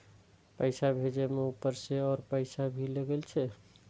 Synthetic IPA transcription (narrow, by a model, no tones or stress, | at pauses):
pəɪsabʱed͡ʒemeupːəɾseɔːɾpəɪsabʱileɡelt͡ʃʰɛ